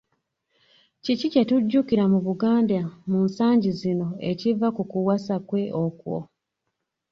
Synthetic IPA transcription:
cicicetuɟːukiɾamuβuɡaːndamuːnsaːɲɟizino̞ecivakukuwasakwe̞ʔokwo̰

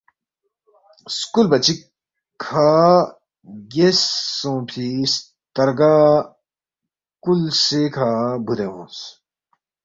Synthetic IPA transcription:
skulbɐt͡ɕi | kʰaː | ɡesõːpʰis | t̪ɐɾɡaː | kulsekʰaːbud̪ẽɦũːs

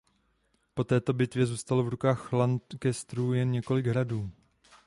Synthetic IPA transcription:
po̞t̪ɛːt̪o̞bɪt̪vjɛzuːst̪alovɾukaːxlankɛst̪ɾuːjɛnɲɛko̞lɪɡɦɾaduː

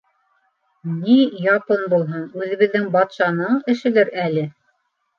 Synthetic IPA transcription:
nijɑpɤnbulˠɦɤɴʉðɘ̆βɘ̆ðːɘŋbɑt̪ʃɑnɤɴɘ̆ʃɘ̆lɘɾælɘ

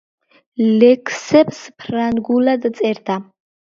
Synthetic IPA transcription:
lɛkʰsɛbspʰranɡulad̪t̪t͡s̪ʼɛɾt̪ʰa

